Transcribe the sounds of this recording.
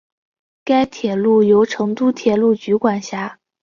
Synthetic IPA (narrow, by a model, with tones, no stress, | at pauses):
ka˥ɪt̪ʰjɛ˨˩lu˥˩jo˧˥ʊʈ͡ʂʰɤ˧˥ŋt̪u˥t̪ʰjɛ˨˩lu˥˩t͡ɕy˧˥kwa˨˩nɕja˧˥